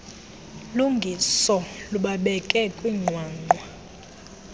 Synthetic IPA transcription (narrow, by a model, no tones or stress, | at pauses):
luŋɡʱisɔluɓaɓɛkʼɛkʼwiːŋ͡ǀʱwaːŋ͡ǃʱwa